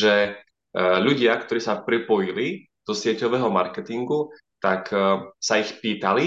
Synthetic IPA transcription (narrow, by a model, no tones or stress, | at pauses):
ʒɛ | ʎuɟɪakt̪ɔɾiːsapɾipɔjili | d̪̥ɔsɪɛcɔʋɛːɦɔmaɾkɛt̪iŋɡu | t̪aksaixpiːt̪ali